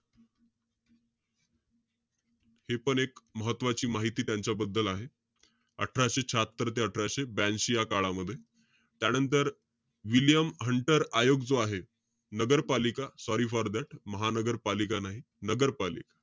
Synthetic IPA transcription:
hepəɳekməɦət̪ːʋat͡ɕiːmaɦit̪iːt̪jaɲt͡ɕabəd̪ːəlaɦe | ə̰ʈʰɾaɕet͡ɕʰat̪ːɾət̪eəʈʰɾaɕebænɕijakaɭaməd̪ʱːje | t̪janənt̪əɾ | ʋiljəmɦəɳʈəɾajoɡd͡zoaɦe | nəɡəɾpalikasɔɾiːfaɾd̪aʈʰməɦanəɡəɾpalikanaɦi | nəɡəɾpalḭkḁ

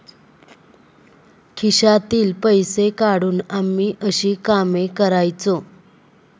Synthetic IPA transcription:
kʰiɕat̪iːlpəjsekaɽuːnamːiːʔəɕiːkamekəɾajt͡so

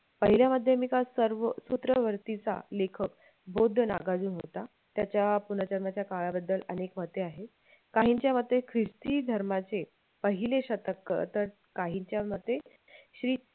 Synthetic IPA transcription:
pəɦiljaməd̪ʱːjemiːkasəɾʋəsut̪ɾəʋəɾt̪it͡sa̰lekʰək | bʱod̪ʱːəna̰ɡad͡zuːnɦot̪a | t̪jat͡ɕjapunət͡ɕəɾmat͡ɕjakaɭabəd̪ːələnekmət̪eaɦe | kaɦiɲt͡ɕjamət̪ːekʰɾist̪iːd̪ʱəɾmat͡se | pəɦileɕət̪əkːə̰t̪əɾ | kaɦiɲt͡ɕjamət̪ːe | ɕɾiː

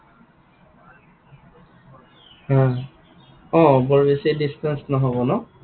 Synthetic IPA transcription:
hã | ɔ̃bɔɹbesidistɛnsnɔɦɔbɔnɔ

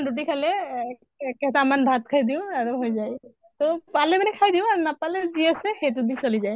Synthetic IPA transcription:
duʈ̬ikʰalɛ | kɛtamanbʱat̪̚kʰajd̪iʊ̃aɹuɦojzaj | t̪opalɛmanɛkʰajd̪iʊ̃aɹnapalɛziasɛxet̬ud̪insolizaj

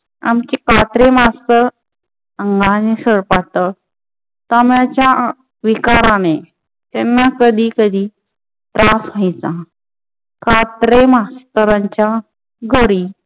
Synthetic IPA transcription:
a̰mkikat̪ɾemast̪əɾ | əŋɡanesəɽpat̪ə | t̪amjat͡ɕja | ʋikaɾane | t̪ɛnːakəd̪ʱiːkəd̪ʱiː | t̪ɾasʋəjt͡sã | kat̪ɾemast̪əɾãɲt͡ɕa | ɡʱəɾiː

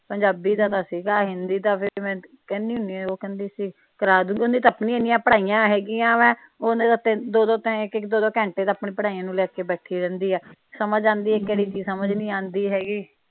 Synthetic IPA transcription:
pəɲd͡ʒaːbiːd̪aːt̪ãːsiːɡaːɦɪ̃nd̪iːt̪ãːpʰɪɾmɛ̃ː | kɛnːiːɦʊ̃nd̪iːɛoːkɛnd̪iːsiː | kəɾaːd̪ũːŋɡiːond̪iːt̪əːpnĩːeːniːjãːpəɽaːijãːɦɛːɡiːãːʋɛ̃ː | oneːd̪at̪ɪnd̪oːd̪oːt̪ɛ̃ɪkɪkd̪oːd̪oːkɛ̃ːɳʈeːt̪aːpɳẽːpəɽaːijãːnũːlɛːkeːbɛːʈʰiːɾɛ̃ːnd̪iːɛːsəməd͡ʒãːnd̪iːɛːkːɛːɽiːt͡ʃiːsəməd͡ʒnĩːãːnd̪iːɦɛːɡiː

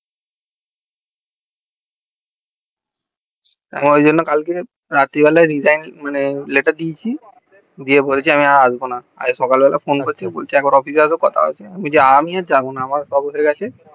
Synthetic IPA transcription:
a̰miojd͡ʑonːokalke | ɾat̪ːibɛlaeɾid͡ʑajnmaneleʈaɾd̪it͡ɕʰi | d̪iepoɾet͡ɕʰiamiaazbona | a̰eʃɔkalbɛlʔa̰fʰonkoɾt͡ɕʰebo̰lʰiɛk̚baɾɔpʰis̬asokɔt̪ʰa̰o̰t͡ɕʰeamod͡ʑeamiad͡ʑabonaamaɾsabot̪ʰeɾɡat͡ɕʰe

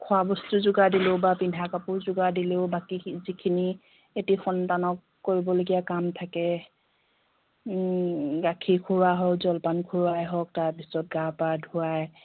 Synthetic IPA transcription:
kʰʊabɔstuzʊɡadileʊbapindʱakapʊɹzʊɡadileʊbakizikʰini | etixɔntanɔkːoɹibɔloɡijakamtʰakɛ | ɡakʰikʰuɹaɦɔzɔlpankʰuɹajɦɔk̚taɹpisɔt̚ɡapadʱʊwaj

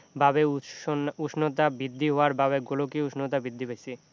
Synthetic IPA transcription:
babeuuʃʰnot̪abid̪ʱːiɦoaɾbaβeɡolokiuʃʰnot̪abid̪ːibejsʰi

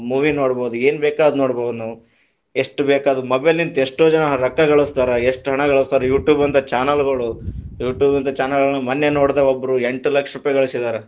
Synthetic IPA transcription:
muːʋinoːɽboːd̪ue̞ːnbeːkaːd̪unoːɽboːd̪unɐ | e̞ʂʈubeːkaːd̪umɐbelnint̪eʂʈoːd͡ʒɐnɐɾɐkːɐɡɐɭust̪aːɾɐeʂʈɦɐɳɐɡɐɭust̪aːɾɐjuːʈjuːbɐnt̪ɐt͡ʃaːnɐlɡɐɭujuːʈjuːbɐnt̪ɐt͡ʃaːnɐlɡɐɭnːumɐnːenoːɽd̪eobːɐɾue̞ɳʈulɐkʂɾupɐjɐɡɐɭisid̪aːɾe

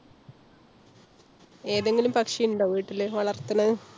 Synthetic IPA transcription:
e̞ːðeŋɡilumpɐkʂijuɳɖoːʋiːiʈːilːeʋɐɭɐrt̪ːɐnɐðɨ

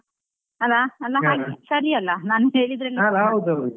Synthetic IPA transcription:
ɐlːaɐlːɐɦaːɡesɐɾiɐlːɐnaːnuɦeːɭid̪ɾɐlːialɦɐwd̪uɐwd̪

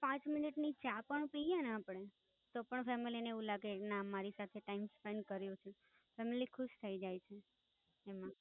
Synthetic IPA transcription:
pãt͡ʃmɪniʈnit͡ʃapəɳupijanaːpəɽe | t̪opəɳfɛmilineeʋũlaɡenãmːaɾisat̪ʰeʈaimspɛɳɖkəɾjũt͡ʃʰe | fɛmilikʰʊʃt̪ʰəid͡ʒajt͡ʃʰeː | mã

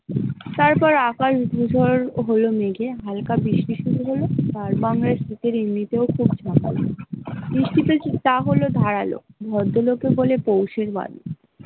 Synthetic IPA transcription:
t̪aɾpɔɾakaʃd̪ʱudʱoɾɦolomeɡeɦalkabiʃliʃuɾuɦolot̪aɾbaŋɾaɾsɾit̪eɾimnit̪eokʰubt͡ɕʰaka̰lniʃʈit̪ot̪aɦolod̪ʱaɾalo̰bʱɔd̪ʱːolokebolepowʃeɾba̰d̪o

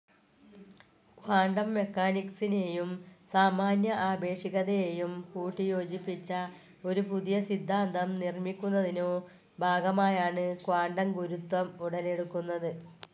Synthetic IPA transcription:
kwaːɳɖɐmːe̞kːaːniksine̞ːjumsaːmaːnjɐʔaːbe̞ːʂiɣɐðɐjejumpuːʈːijo̞ːd͡ʑipːit͡ɕːɐ | o̞ɾupuðijɐsid̪ʱːaːnd̪ʱɐmnirmikʲːunːɐðino̞ː | bʱaːɡɐmaːjaːɳɨkwaːɳɖɐmɡuɾut̪wɐmuɽɐle̞ɽukːunːɐðɨ

